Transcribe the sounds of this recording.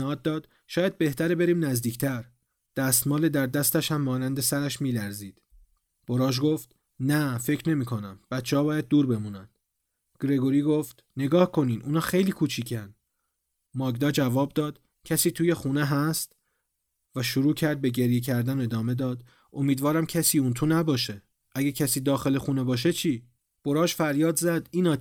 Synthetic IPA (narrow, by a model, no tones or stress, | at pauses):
hɒːd̪ːɒːd̪̥ | ʃɒːjæd̪̚be̞ht̪ʰæɾebe̞ɾiːmnæzd̪iːcʰt̪ʰæɾ | d̪̥æst̪mɒːled̪æɾd̪æst̪æʃhæmːɒːnænd̪e̞sæɾæʃmiːlæɾziːd̪̥ | b̥o̞ɾɒːʒɡo̞ft̪ | næfecʰɾne̞miːkʰo̞næmb̥æt̪t͡ʃʰehɒːbɒːjæd̪̚ːuːɾbe̞muːnænd̪̥ | ɡ̥ɾe̞ɡoɾiːɡo̞ft̪ne̞ɡɒːhkʰo̞niːnʔuːnɒːxe̞jliːkʰuːt͡ʃʰiːcʰæn | mɒːɡd̪ɒːd͡ʒævɒːb̚d̪ɒːd̪̥ | cʰæsiːt̪ʰuːje̞xuːne̞ɦæst̪ | væʃuɾuːcʰæɾd̪̚be̞ɟe̞ɾjec̬ʰæɾd̪ænoed̪ɒːme̞d̪ɒːd̪ | omiːd̪vɒːɾæmcʰæsiːunt̪ʰunæbɒːʃe | ʔæɟecʰæsiːd̪ɒːxe̞lexuːne̞bɒːʃ̬et͡ʃʰiː | b̥oɾɒːʒfæɾjɒːd̪zæd̪̥iːnɒː